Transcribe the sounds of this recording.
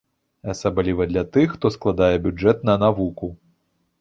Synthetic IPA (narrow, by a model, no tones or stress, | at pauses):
ɐsablʲivɐd̪lʲɐt̪ɨxːt̪ɔsklˠad̪ajɛbʲud͡ʐɛt̪̚nɐnavuku